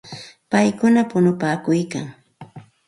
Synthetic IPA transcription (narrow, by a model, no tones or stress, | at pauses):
pajkʊnapʊnʊpaːkʊjkaŋ